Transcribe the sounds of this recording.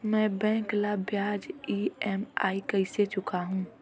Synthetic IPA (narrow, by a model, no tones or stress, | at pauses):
mɛ̃ːbɛ̃ːklabjaːd͡ʒiːɛma̰ːikəɪset͡ʃʊkaɦũː